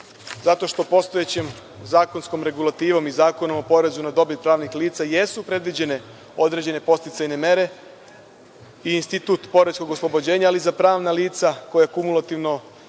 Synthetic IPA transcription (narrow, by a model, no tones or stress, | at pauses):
zat̪o̞ʃt̪o̞po̞st̪o̞je̞t͡ɕem | zaːko̞nsko̞mɾe̞ɡulat̪iːʋo̞mizaːko̞no̞mo̞po̞ɾe̞zunad̪o̞bit̪pɾaːʋnixliːt̪saje̞supɾe̞d̪ʋid͡ʑe̞ne̞ | o̞d̪ɾe̞d͡ʑe̞ne̞po̞st̪it̪sajne̞me̞ɾe̞ | iːnst̪it̪uːt̪po̞ɾesko̞ɡoslˠo̞bo̞d͡ʑe̞ːɲaːlizapɾaːʋnaliːt̪sako̞jakumulˠat̪iʋno̞